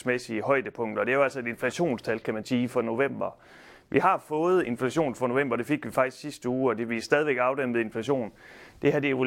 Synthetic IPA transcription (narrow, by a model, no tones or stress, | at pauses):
smesiəhɒ̽ɪ̰d̥əpʰɔ̽ŋ̰d̥ɒ̽d̥e̝æjoæl̰sɒ̽e̝de̝nflæɕo̝̰ːnst͡sʰælkʰæmænsiːfɒ̽no̝ʋem̰b̥ɐ | ʋʔihɑ̈fɔ̽ːð̞̩ˠe̝nflæɕo̝̰ːnfʁɑ̈no̝ʋem̰b̥ɐd̥e̝fe̝ɡ̥ʋifɑ̈ɡ̥d̥i̥sɡ̥sisd̥əuːɒ̽d̥e̝ʋisd̥ɛːð̞ˠiʋeɡ̥ɑ̈ʊdem̰ð̩ˠe̝nflæɕo̝̰ːnd̥e̝ɦæd̥eo